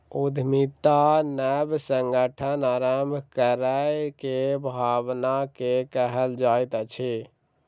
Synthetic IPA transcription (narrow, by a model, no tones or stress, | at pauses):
ud̪ʱmit̪anɛbsəŋɡəʈʰənaɾəmkəɾəjkebʱabnakekəɦəld͡ʒajt̪ət͡ʃʰi